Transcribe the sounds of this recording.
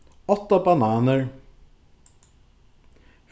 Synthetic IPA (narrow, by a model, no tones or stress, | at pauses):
ɔt̪ːəbɑnɑːnəɹ